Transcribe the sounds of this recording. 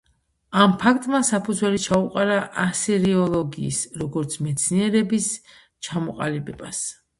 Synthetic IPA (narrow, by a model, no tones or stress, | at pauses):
ampʰak̚ʰt̪ʼmasapʰud̪zwɛlit͡ʃʰauqʼaɾaʔasiɾiɔlˠɔɡḭːsɾɔɡɔɾt̪sʰmɛt̪sʰniɛɾɛbis | t͡ʃʰamɔqʼa̰libɛbas